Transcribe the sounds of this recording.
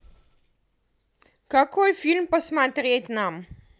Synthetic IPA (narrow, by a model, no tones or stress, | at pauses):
kɐkojfilmpɐsmat̪rʲet̪nam